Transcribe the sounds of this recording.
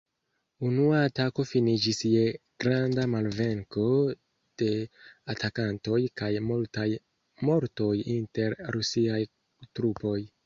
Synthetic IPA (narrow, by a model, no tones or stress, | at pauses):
unuaːtako̞finid͡ʒisje̞ɡ̥ɾandamalve̞ŋko̞ | d̥e̞atʰakanto̞jkajmultaj | mo̞ɾto̞jinte̞ɾːusiaj | tɾupo̞j